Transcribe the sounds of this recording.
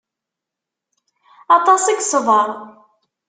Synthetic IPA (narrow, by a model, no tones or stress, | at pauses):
ɑt̪ˤɑsiɡsˤəvəɾˤ